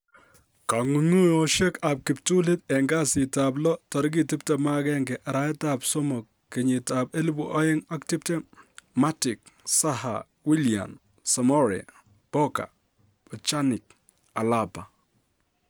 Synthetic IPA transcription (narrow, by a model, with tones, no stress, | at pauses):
ka˨ŋu˨ŋu˦jɔ˨ʃɛ˦ka˨p̚kɪ˨ptu˦lɪ˦t̪ɛ˨ŋɡa˦sɪ˨ta˨b̬lɔ˦tɔ˨ɾɡ̬i˦ti˦p̚tɛ˨ma˦kɛ˦ŋɡɛ˨ʔa˨ɾa˦ɛ˦tapsɔ˦mɔ˨kːɪ˨ɲɪ˨ta˨pe˦li˦bu˨ʔa˦jɪ˦ŋa˦ktɪ˦p̚te˦ma˦tɪ˨k̚ | sa˦ha̰˨ | wi˦lia̰˨n | sa˨mɔ˦ɾɛ̰˨ | b̥ɔ˦ka̰˨ | bɔ˨t͡ʃa˦nɪ˨k̚ | a˨lapa˨